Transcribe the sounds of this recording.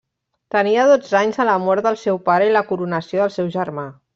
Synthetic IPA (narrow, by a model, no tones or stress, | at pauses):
t̪əniəðod͡zaɲzələmɔɾd̪əlˠsɛwpaɾəiləkuɾunəsioðəlˠsɛwʒərma